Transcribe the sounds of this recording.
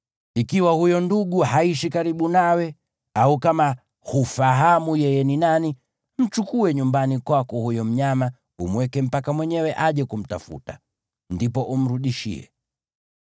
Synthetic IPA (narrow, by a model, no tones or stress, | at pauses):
ikiwahujɔnduɡuhaiʃikaɾiɓunawɛ | aukama | hufaɦamujɛjɛninani | m̩t͡ʃukuɛɲumbanikwakɔhujɔm̩ɲama | umwɛkɛm̩pakamwɛɲɛwɛʔaʄɛkum̩ta̰fṵta | ndipɔʔum̩ɾuɗiʃḭɛ̰